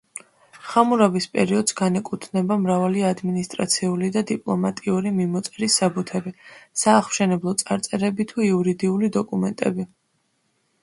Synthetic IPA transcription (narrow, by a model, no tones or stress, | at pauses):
χamuɾavispʼɛɾiɔd̪sɡanɛkʼut̪ʰnɛbamɾavaliad̪minist̪ʼɾa̰t̪sʰiulid̪ad̪ipʼlˠɔ̰mat̪ʼiuɾimimɔt̪sʼɛɾisːabut̪ʰɛbisaːχmʃɛnɛblˠɔt̪sʼaɾt̪sʼɛɾɛbit̪ʰuiuɾid̪iulid̪ɔkʼumɛnt̪ʼɛ̰bi